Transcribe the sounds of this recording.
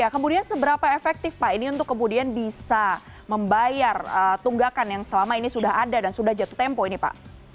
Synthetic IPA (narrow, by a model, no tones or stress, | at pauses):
jakəmudiansəbəɾapaefɛk̚t̪ɪfpaʔiniunt̪ʊkːəmudianbisa | məmbajarət̪uŋɡakanjaŋsəlamainisudahɦadadansudahd͡ʒat̪u̥t̪ɛmpɔinipa̰ʔ